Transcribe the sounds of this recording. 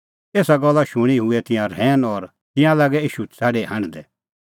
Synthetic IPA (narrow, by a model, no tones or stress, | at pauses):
eːsaɡɔlːaʃʊɽ̃iɦʊɛt̪ɪ̃jãɾɛːnɔɾ | t̪ɪ̃jãlaːɡɛiːʃut͡saːɖeɦãñd̪ɛ